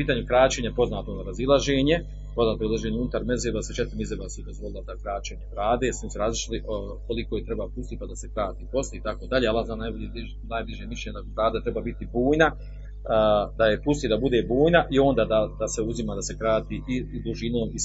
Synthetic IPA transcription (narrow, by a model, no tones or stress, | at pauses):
piːt̪aːɲukɾaːt͡ɕe̞ːɲapo̞znaːt̪oond̪aːɾazilˠaʒeːɲe̞ | po̞znaːt̪oɾilˠaʒeːɲeunut̪aɾme̞zebaset͡ʃet̪ɾmizebasud̪ozvʋo̞lˠilˠad̪akɾaːt͡ɕe̞ːɲebɾaːd̪e̞siseɾazlˠiʃliʔ | ko̞likojet̪ɾebapust̪iːpad̪ase̞kɾaːt̪iːpo̞sliit̪ako̞d̪aʎeːalːaznanajboebi | najbliʒemiʃlʲeɲd̪abɾaːd̪at̪ɾe̞baːbit̪ibuːjna | d̪ajepust̪iːd̪abud̪e̞buːjnaʔio̞ːnd̪aːd̪ad̪ase̞uzimaːd̪ase̞kɾaːt̪iːʔid̪uʒinoːmi